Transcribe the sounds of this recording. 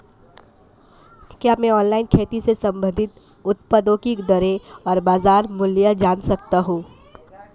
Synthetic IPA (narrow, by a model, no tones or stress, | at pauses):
kjaːmɛ̃ɔːnlaːɪnkʰeːt̪isesɐ̃mbʱə̃nd̪ʱɪt̪ | ʊt̪̚pəd̪õːkikd̪əɾeɔːɾbaːzaːɾmʊljad͡ʒaːnsɐk̚t̪aɦũː